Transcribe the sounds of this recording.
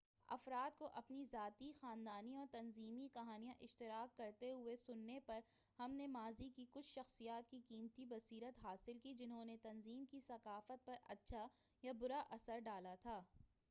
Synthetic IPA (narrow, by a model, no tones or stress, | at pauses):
ɐ̰fɾaːd̪̚koʔɐpnizaːt̪ixaːnd̪aːniɔːɾt̪ɐnziːmikɐɦaːnijãʔɪʃt̪ɪɾaːkːɐɾt̪eɦʊesʊnːepɐɾ | hɐmnemaːzikikʊt͡ʃʰʃɐxsijaːt̪̚kikiːmt̪ibɐsiːɾət̪ɦaːsɪlkid͡ʒɪnɦõnet̪ɐnziːmkisɐkaːfət̪̚pɐɾɐ̰tːʃʰajabʊɾaʔɐsəɾɖaːlat̪ʰaː